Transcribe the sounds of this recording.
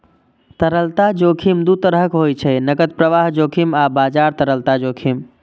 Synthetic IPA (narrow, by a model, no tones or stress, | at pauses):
t̪əɾəlt̪ad͡ʒokʰimd̪ut̪əɾəkɦojt͡ʃʰənəɡət̪̚pɾəʋaɦd͡ʒokʰimabad͡ʒaɾt̪əɾəlt̪ad͡ʒokʰim